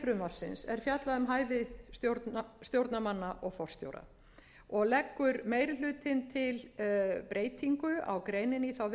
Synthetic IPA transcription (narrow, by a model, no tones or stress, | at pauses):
fɾʏmaɾ̥sɪ̰nsɛɾ̥fjat̪laðʏmɦaːjvɪsot̪st̪jowɾt̪namanːaʔɔɣfɔwr̥st̪jo̰wɾa̰ | ɔɣlɛkːʏɾmeːjɾɪl̥ʏːt̪ʰɪnt̪ʰɪlpɾeːjt̪ʰiŋkʏa̰wkɾeːjnɪniθaw